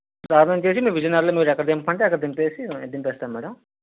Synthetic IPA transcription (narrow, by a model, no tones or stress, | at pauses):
ɾaːɾɐnɐmt͡ʃe̞ːsimiːʋid͡ʒɐnaːɾloːmiːɾɛkːɐɾd̪empːɐɳʈeɐkːɐɾd̪ɐmpeːsiɐd̪impɛːst̪aːmmɛːɽɐm